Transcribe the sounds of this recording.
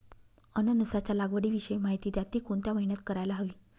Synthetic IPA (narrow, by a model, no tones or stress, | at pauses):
ənənəsat͡ɕalaɡʋəɽiːʋiɕəjmaɦit̪iːt̪jat̪iːkoɳt̪jaməɦinjat̪kəɾajlaɦəʋiː